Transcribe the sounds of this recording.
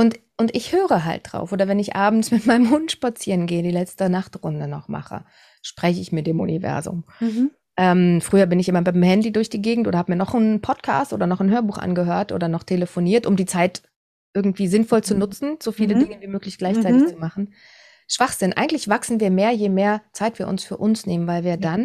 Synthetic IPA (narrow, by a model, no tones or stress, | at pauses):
ʔʊntʔʊntʔɪçhøːʁəɦa̰lt̚d̥ʁa̰ʊfʔoːdɐvɛnɪçʔa̰ːbm̩smɪtmaɪnəmɦʊntʃpat͡siːʁənɡeːədiːlɛt͡stənaχtʁʊndənɔχma̰χə̰ | ʃpʁ̥ɛçəɪçmɪt̚d̥eːmʔṵnḭvɛ̰ɐzʊ̰m | ʔɛːmfʁ̥yːɐbɪnɪçʔɪmɐbaɪmhɛndidʊɐçd̥iːɡeːɡŋ̩tʔoːdɐhabəmiɐnɔχnpʰɔtkʰa̰ːstʔo̰ːdɐnɔχn̩ɦøːɐbuːxʔa̰nɡəɦøːɐtʔo̰ːdɐnɔχtʰeləfoniːɐtʊmdiːt͡saɪt | ʔɪɐɡŋ̩tv̥iːzɪnfɔlt͡sunʊt͡sn̩z̥ofiːlədɪŋəviːmøːklɪçɡ̥laɪçt͡saɪtɪçt͡sumaχn̩ | ʃv̥aχz̥ɪnʔa̰ɪɡŋ̩tlɪçv̥aksn̩viːɐmeːɐjeːmeːɐt͡saɪtv̥iːɐʔʊ̰nsfyːɐʔʊnsneːmənvaɪlviːɐdan